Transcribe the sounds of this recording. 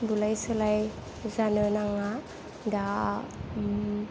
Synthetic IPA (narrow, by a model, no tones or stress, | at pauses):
bulajsɯlaj | zanɯnaŋa | da